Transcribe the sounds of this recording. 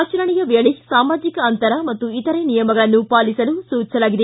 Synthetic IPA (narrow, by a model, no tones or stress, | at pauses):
t͡ʃɐɾɐɳijɐʋeɐɭisaːmaːd͡ʒikɐːnt̪ɐɾɐmɐt̪ːuit̪ɐɾenijɐmɐɡɐɭɐnːupaːlisɐlusuːt͡ʃɐlaːɡid̪e